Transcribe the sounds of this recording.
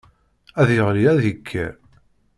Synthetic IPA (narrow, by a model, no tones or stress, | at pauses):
æðjəʁliæðikʰːæ̰